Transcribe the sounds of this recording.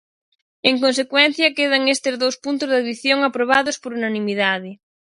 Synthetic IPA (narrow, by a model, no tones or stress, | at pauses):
eŋkõnsekwɛnθjɐkeð̞aŋest̪ezðowspunt̪ʊzðaðiθjoŋapɾoβ̞aðospoɾunanĩmiðaðɪ